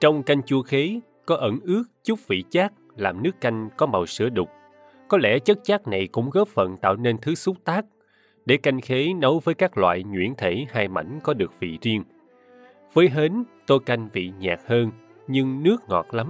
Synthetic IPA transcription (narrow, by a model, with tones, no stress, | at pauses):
t͡ɕɔ˧wŋ͡mka˧jŋ̟t͡ɕu˧əxe˨˦ | kɔ˨˦ʔə˧˩ŋʔɨ˦˥ək̚t͡ɕʊ˦˥k͡p̚vḭ˧˨t͡ɕaː˦˥k̚laː˨˩mnɨ˦˥əkːa˧jŋ̟kɔ˨˦ma˨˩wsɨ̰˧˥əɗʊ˨˩k͡p̚ | kɔ˨˦lɛ̰˧˩t͡ɕə˦˥t̚t͡ɕaː˦˥k̚na˨˩jkʊ̰˧˥ŋ͡mɣɔ˦˥p̚fə̰˧˨nt̪a̰ː˧˨wne˧nt̪ʰɨ˨˦su˦˥t̚t̪aː˦˥k̚ | ɗe˧˩ka˧jŋ̟xe˨˦nə˨˦wvəː˨˦jkaː˦˥k̚lwa̰ː˧˨jɲwḭ˧˥ənt̪ʰe˧˩haː˧jma̰˧˩jŋ̟kɔ˨˦ɗɨ˨˩ək̚vḭ˧˨zi˧əŋ | v̥əː˨˦jɦe˨˦nt̪o˧jka˧jŋ̟vḭ˧˨ɲaː˨˩k̚həː˧n | ɲɨ˧ŋnɨ˦˥ək̚ŋɔ̰˨˩t̚la˨˦m